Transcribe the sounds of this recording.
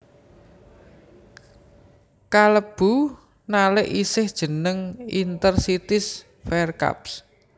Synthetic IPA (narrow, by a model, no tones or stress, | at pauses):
kaləb̥ṳ | nalɪʔisɪhd̥ʒ̥ə̤nəŋint̪ərsit̪ɪs | fɛrka̰ps